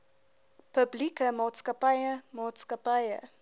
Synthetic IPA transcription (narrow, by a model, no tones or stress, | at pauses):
pəblikəmɑːtskəpɐjəmɑːtskəpɐjə̰